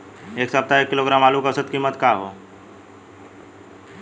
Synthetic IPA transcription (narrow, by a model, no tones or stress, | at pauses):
eːksəb̚t̪aeːkːɪloːɡɾaːmaːlukəsət̪kiːmːət̪kaːɦo̰ː